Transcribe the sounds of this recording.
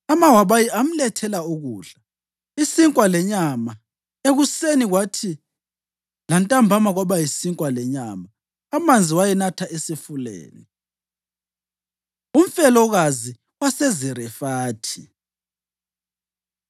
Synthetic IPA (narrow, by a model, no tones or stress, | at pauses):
amawaβajiam̩lɛtʰɛlauɣuːɮa | isiŋkʼwalɛɲama | eɣuseniɣwatʰi | lantʼambʱamaɣwaβajisiŋkʼwalɛɲamaː | mand͡zʱiwajɛnatʰaʔesifulḛːni | um̩fɛlɔɣazi | wasɛzɛɾɛfaːtʰi